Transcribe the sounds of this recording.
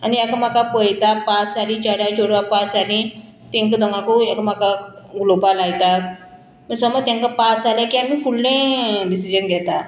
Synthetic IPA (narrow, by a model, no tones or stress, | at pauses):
aniɛkam̤akapəjt̪apasalĩt͡ɕaɽjat͡ɕoɽʋapasalĩ | t̪ɛ̃ŋkəd̪ɔŋɡãkoɛkam̤akaɡulopalajt̪at̪̚ | məsɔmət̪ẽŋkapasaljakiamiːfulnẽdisid͡ʑənɡʱɛt̪a